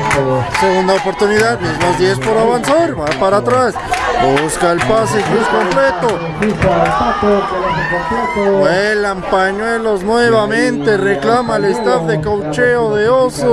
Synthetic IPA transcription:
seɣund̪aopo̞ɾt̪uniðaðβjeɾnozðjespoɾaβansaɾβapaɾat̪ɾas | buskaelpasekusko̞mplet̪o | itest̪atokolasekomplet̪oelampaɲwe̞loznweβamẽnt̪ereklamaelest̪afðekowt͡ʃeoðeoso

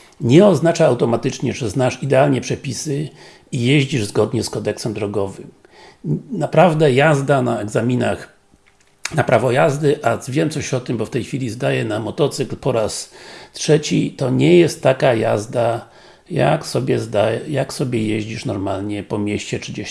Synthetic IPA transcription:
ɲɛɔznat͡ʂaːwt̪ɔmat̪ɘt͡ʂɲɛʐɛznaʂid̪ɛalɲɛpʂɛpʲisɘ | ijeʑd͡ʑiʐzɡɔd̪ɲɛskɔd̪ɛksɛmd̪ɾɔɡɔvɨm | napɾavd̪ɛjazd̪anaɛɡzamʲinax | napɾavɔjazd̪ɘʔavʲjɛmt̪sɔɕɔt̪ɘmbɔft̪ɛjxfʲilʲizd̪ajɛnamɔt̪ɔt̪sɘklpɔɾastʂɛt͡ɕit̪ɔɲɛjɛst̪ːakaja̰zd̪a | ja̰ksɔbʲjɛzd̪ajɛjaksɔbʲjɛjeʑd͡ʑiʂnɔɾmalɲɛpɔmʲjɛɕt͡ɕɛt͡ʂɘd͡ʑɛ

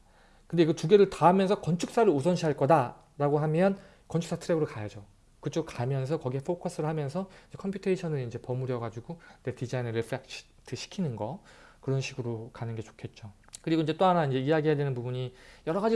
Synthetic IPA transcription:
kɯnde̞kɯtuɡe̞ɾɯɭtaɦamjʌnsʰʌkʌnt͡ɕʰuk̚s͈aɾɯɾusʰʌnɕʰiɦaɭk͈ʌda | ɾaɡoɦamjʌn | kʌnt͡ɕʰu̥ks͈atʰɯɾeɡɯɾoɭkajad͡ʑo | kɯt͡ɕ͈okamjʌns̬ʰʌkʌɡiɦepʰokʰʌs͈ʰɯɾɯɭhamjʌnsʰʌiɲd͡ʑekʰʌmpʰjutʰeiɕʰʌnɯɾind͡ʑe̞pʌmuɾjʌɡad͡ʑuɡone̞tid͡ʑainʌɾepʰɯɾak̚t͡ɕ | tʰɯɕʰi̥kʰinɯnɡʌkɯɾʌnɕʰiɡɯɾokanɯnɡe̞t͡ɕo̥kʰe̞t̚t͡ɕ͈o | kɯɾiɡoiɲd͡ʑe̞t͈oanaind͡ʑe̞ijaɡiɦedwe̞nɯnpubuɲijʌɾʌɡad͡ʑi

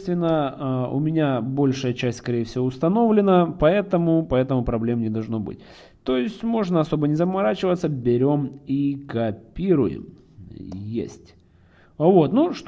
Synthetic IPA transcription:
st̪vʲɪnːəʊ̰mʲɪnʲabo̞lʲʂɨjət͡ɕæsʲtʲskɐɾʲejəfsʲɪvoʊst̪ɐno̞vlʲɪnəpɐɛt̪əmʊpɐɛt̪əmʊpɾɐblʲe̞mnʲɪd̪ɐlˠʐno̞bɨ̰tʲ | t̪o̞ɪsʲtʲmo̞ʐnəɐso̞bənʲɪzəmɐɾat͡ɕɪvət̪səbʲɪɾʲo̞mikɐpʲiɾʊ̰jɪ̰m | jḛsʲtʲ | vo̞t̪nuʂt̪

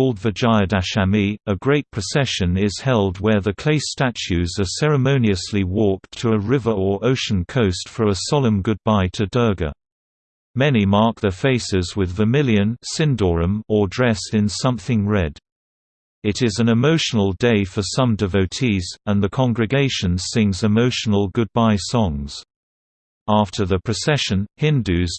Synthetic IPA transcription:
lˠdvəd͡ʒaɪədæʃæmiəɡɹeɪt̚pʰɹ̥ɨsɛʃɨ̃nɪz̥hɛlˠd̚wə˞ðɨkʰl̥eɪstæt͡ʃʉzə˞sɛɹɨmõʊ̃niɨsliwɔˑk̚tʰəəɹɪvə˞ə˞ʔoʊʃn̩kʰoʊstfɹəəsɑlˠə̃mɡʊd̚baɪtʰɨdɜ˞ɡə̰ | mɛnimɑɹk̚ðə˞feɪsɪzwɪðvɨmɪlˠjɨ̃nsɪ̃ndɔɹɨ̃mə˞dɹɛsɨ̃nsʌ̃mθɪ̃ŋɹɛd | ɨɾɪzɨ̃nɨmoʊʃn̩l̩ˠdeɪfə˞sʌ̃mdɨvoʊtʰizə̃nðɨkʰɑ̃ŋɡɹɨɡeɪʃɨ̃nsɪ̃ŋzɨmoʊʃn̩l̩ˠɡʊd̚baɪsɔ̃ŋz̥ | æftʰə˞ðɨpʰɹ̥ɨsɛʃɨ̃nhɪ̃ndʉz̥

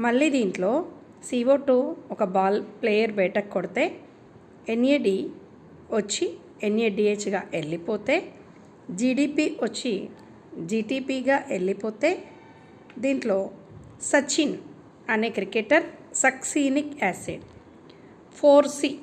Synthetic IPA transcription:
mɐɭːiːd̪iːɳʈlo̞ː | siːoːʈuːɔkɐbaːlpleːjɐɾbɛːʈɐkːɔɽt̪e̞ː | eneːɖiː | ʋɐt͡ʃːi | eneːɖiːeːt͡ʃɡaːʔelːipoːt̪e̞ː | d͡ʒiːɖiːpiːʋɐt͡ʃːi | d͡ʒiːʈiːpiːɡaːʔelːipoːt̪e̞ː | d̪iːɳʈlo̞ːsɐt͡ʃin | ɐne̞ːkɾikeʈɐɾsɐksiːnikɛːseɖ | pʰoːɾsi

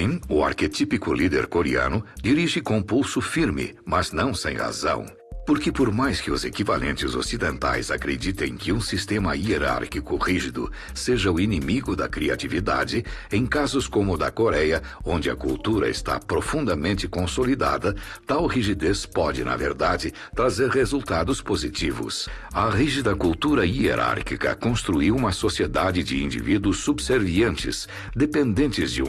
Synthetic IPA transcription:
ĩʊa̰ɾket̪ipikʊlid̪ḛɾkoɾiɐ̰̃nʊd͡ʒiɾiʒɪkõpulsʊfiɾmɪ̰mɐznɐ̃w̃sḛ̃j̃ha̰zɐ̰̃w̃ | poɾkɪpoɾmajskɪʊzekiva̰lʔẽnt͡ʃɪzo̰sid̪ẽnt̪a̰jzakɾed͡ʒit̪ẽj̃kɪũsist̪ẽmɐieɾa̰ɾkikʊʁiʒid̪ʊ̰ | seʒɐʊinimiɡʊd̪ɐkɾia̰tivid̪a̰d͡ʒɪẽj̃kazʊskõmʊd̪ɐkoɾɛjɐõnd͡ʒɪɐ̰kṵlt̪uɾɐ̰ɪ̰st̪a̰pɾofũnd̪ɐmẽnt͡ʃɪkõsolid̪a̰d̪ɐt̪awʁiʒid̪espɔd͡ʒɪ̰nɐ̰vḛɾd̪ad͡ʒɪ | t̪ɾazeɾhezult̪ad̪ʊspozit͡ʃivʊ̰sɐʁiʒid̪ɐkult̪uɾɐiḛɾʔa̰ɾkikɐ̰kõst̪ɾuiwũmɐsosied̪ad͡ʒɪd͡ʒɪĩnd͡ʒḭvid̪uʊsːubseɾviɐ̃nt͡ʃɪ̰s | d̪epẽnd̪ẽnt͡ʃɪzd͡ʒɪ̰̃

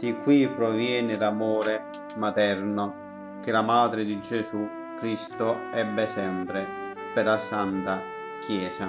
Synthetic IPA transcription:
d̪̥ikːwipːɾɔvjɛːnɪlamɔːɾɛ | mat̪ɛɾnʊ | k̟ɪlamaːd̪ɾɪd̪id͡ʒɛsu | kːɾist̪ʊɛbːɛsɛmpɾɪ | pɛɾlasant̪a | kʰjɛːsa

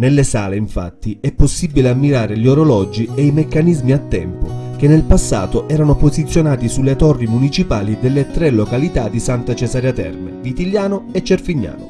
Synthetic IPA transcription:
nelːesaːleiɱfa̰t̪ːiɛpːosːibileamːiɾaːɾeʎoɾolɔd͡ʒiejmekːanizmiat̪ːɛ̰mpok̟enːelpasːa̰ːt̪oʔɛːɾanopozit̪sːjonaːt̪isulːet̪ɔrːimunit͡ʃipaːlid̪elːet̪ɾelːokalit̪ad̪isant̪at͡ʃesaɾjat̪ɛ̰rmḛvit̪iljaːnoet͡ʃːerfiɲːa̰ːno

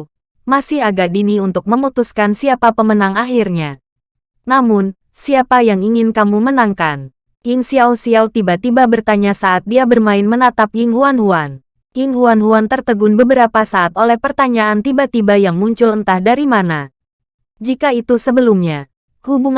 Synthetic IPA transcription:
masɪhaɡadiniunt̪ʊk̚məmut̪uskansiapapəmənaŋaɦirɲa | namʊn | siapajaŋiŋɪnkamumənaŋkan | ɪŋsiawsiawt̪ibat̪ibabərt̪aɲasaʔːt̪̚diabərmaɪnmənat̪apjɪŋɦuanhuan | jɪŋɦuanɦuant̪ərt̪əɡʊnbəbəɾapasaːt̪olɛhpərt̪aɲaant̪ibat̪ibajaŋmuɲt͡ʃʊlənt̪ahdaɾimana | d͡ʒikait̪usəbəlumɲa | hubuŋ

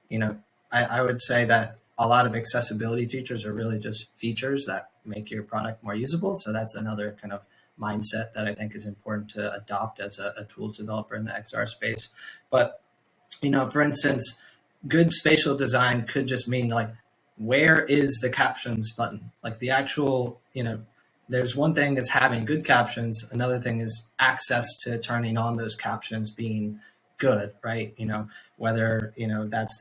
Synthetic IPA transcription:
jɨnoʊ | aɪʔaɪwɨdseɪðɨɾ | əlɔɾʌvɨksɛsɨbɪlˠəɾifit͡ʃə˞zə˞ɹɪlˠid͡ʒʌstfit͡ʃə˞zðət̚meɪkʰjə˞pʰɹ̥ɑɾɨk̚t̚mɔɹjʉzəbl̩ˠsoʊðætsɨnʌðə˞kʰãɪ̃ndʌv | mãɪ̃nd̥sɛt̪̚ðɨɾaɪθɪ̃ŋkɨzɨ̃mpʰɔɹʔn̩tʰɨə̰dɑp̚tɨzɨətʰulˠzdɨvɛlˠəpə˞ɨ̃nðḭɛ̰ksɑ̰ɹspeɪsb̥ʌt̚ | jɨnoʊfə˞ɪ̃nstɨ̃ns | ɡ̥ʊdspeɪʃl̩ˠdɨzãɪ̃nkʰɨd̚d͡ʒʌst̚mĩnlaɪk̚ | wə˞ʔɪzðɨkʰæpʃɨ̃nzbʌʔn̩laɪk̚ðiæk̚t͡ʃəl̩ˠjɨnoʊ | ðə˞zwʌ̃nθɪ̃ŋɨz̥hævɪ̃ŋɡʊd̚kʰæpʃɨ̃nzənʌðə˞θɪ̃ŋɪzʔæksɛstʰɨtʰɜ̃˞nɪ̃ŋə̃nðoʊz̥kʰæpʃɨ̃nzbiɪ̃ŋ | ɡ̥ʊd̥̚ɹaɪt̚jɨnoʊwɛðə˞jɨnoʊðæts

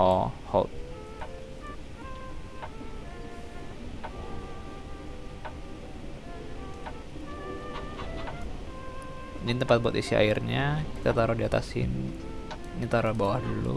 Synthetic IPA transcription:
ɔha̰t̪̚ | nint̪əmpat̪̚buat̪isia̰irɲaki̥t̪at̪aɾohdiat̪a̰sɪ̰n | ɲat̪aɾabawahdulṵ

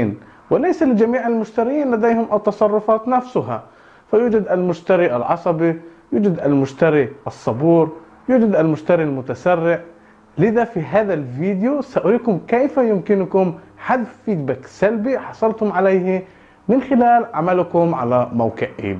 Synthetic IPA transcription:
n | wɪlajsalɪd͡ʒamiːʕalmʊʃt̪aɾɪjiːnlad̪ejhʊmʔɑt̪ːɑsˤɑrˤːʊfɑːt̪nafsʊɦa̰ | fajuːd͡ʒad̪ʔalmʊʃt̪aɾiʔa̰lʕɑsˤɑbijuːd͡ʒad̪almʊʃt̪aɾiʔɑsˤːɑbuːɾ | juːd͡ʒad̪ʔalmʊʃt̪aɾilmʊt̪asarːɪʕʔ | lɪðafiɦaːðalviːd̪ɪjusaʔʊɾiːkʊmkejfajʊmkɪnʊkʊmħad̪fiːd̪baksalbiħɑsˤɑlt̪hʊmʕalejhi | mɪnxɪlaːlʕamalkʊmʕa̰lamawqɪʕʔḭː

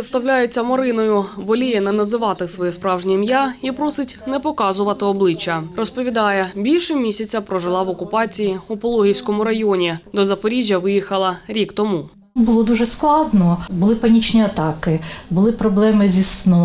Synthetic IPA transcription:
ɾɪt̪st̪ɐwlʲajet͡sʲːɐmɔɾɪnɔjʊbɔlʲijɛnɛnɐzɪʋɑt̪ɪsʋɔjɛspɾɑwʒnʲimjaipɾɔsɪtʲnɛpɔkɑzʊʋɐt̪ɪɔblˠɪt͡ʃːɐrɔspɔʋʲid̪ɑjɛbʲilʲʃɪmʲisʲɐt͡sʲɐpɾɔʒɪlˠɑʋɔkʊpɑt͡sʲijiupɔlˠɔɦʲijsʲkɔmʊɾɐjɔnʲid̪ɔzɐpɔɾʲiʒʲjɐʋɪjixɐlˠɐɾʲikt̪ɔmu | bʊlˠɔd̪uʒɛsklˠɑd̪nɔbʊlˠɪpɐnʲit͡ʃnʲiɐt̪ɑkɪbʊlˠɪpɾɔblˠɛmɪzʲisnɔ

